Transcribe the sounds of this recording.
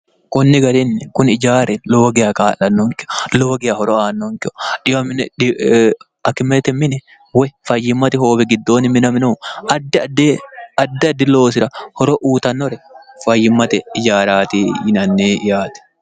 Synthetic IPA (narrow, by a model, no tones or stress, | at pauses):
kʊnːɪɡɐɾɪnːɛkʊnɪd͡ʒaːɾɛloːɡɛjɐkaːlɐnːɔŋkɪ̥ɔloːɔɡɛjɐhɔɾɔaːnːɔŋkɪʔɔ̥ᶑɪjɐmɪnɛɪ | ɐkːɪmet̪ɛmːɪnɛ | wɛfɐjːɪmːɐt̪ɪho̞ːbɛɡɪd̪ːo̞ːnɪmɪnɐmɪnoɐd̪ːɪdɐd̪ːɪɐd̪ːɪlo̞ːsɪɾɐhɔɾɔʔuːt̪ɐnːɔɾɛfɐjːɪmːɐt̪ɛɪd͡ʒaːɾaːt̪iːɪnɐnːeːʔɪjaːt̪ɛ̥